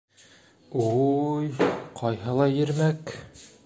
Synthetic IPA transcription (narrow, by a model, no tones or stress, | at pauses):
ujqʰɑjɦɤlˠɑjɘ̆ɾmæk